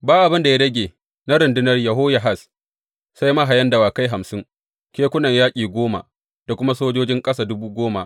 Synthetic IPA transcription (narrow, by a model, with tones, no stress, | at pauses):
baː˦ʔa˨bɪ˦nda˨ja˦dɐ˦ɡʲeː˨ | na˦ɾɪ˨ndɪ˦nɐ˦rjɐ˨ɦo˦ja˨ɦa˦˨s | sa˦jma˦ɦa˨jɐ˦ndɐ˨waː˨ka˦jɦa˨msɪ˦ŋ | kʲeː˦kʷʊ˦nɐ˨ɲjaː˦kʲʼiː˨ɡʷoː˦ma̰˨ʔ | d̥a˨kʷʊ˦ma˦soː˦d͡ʒoː˦d͡ʒɪ˦ŋkʼɐ˦saː˨dʊ˦buː˦ɡʷoː˦ma̰˨ʔ